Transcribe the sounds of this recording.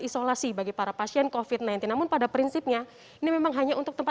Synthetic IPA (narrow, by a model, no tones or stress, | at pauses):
isolasibaɡipaɾapasiɛnkofit̪̚najnt̪ɪnːamʊnpadapɾinsip̚ɲa | inimemaŋɦaɲaʔṵnt̪ʊk̚t̪əmpa